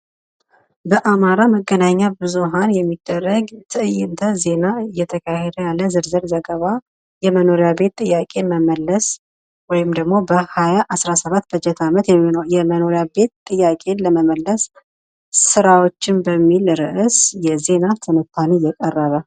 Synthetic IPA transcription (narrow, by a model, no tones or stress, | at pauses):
bəʔamaɾaməɡːənaɲːabɨzuɦanjɛmːid̪ːərːəɡt̪ʰɨɨjːɪnt̪ʰəze̞naɨjːɛt̪ʰəkʰahed̪əjalːəzɨɾzɨɾzəɡəβa | jɛməno̞ɾijabe̞t̪ːʼɨjːakʼe̞məməlːəs | wɔjɪmd̪əɡmo̞bəhajaʔasɾasəβat̪ːb̥əd͡ʒɛt̪ʰamət̪jɛjɛməno̞ɾijabe̞t̪t̪ʼːɨjːakʼe̞nləməməlːəsː | ɨɾawo̞t͡ʃːɪnbəmːilɾɨʔɨsjɛze̞nat̪ʰɨnɨt̪ʰːanijɛkʼərːəβə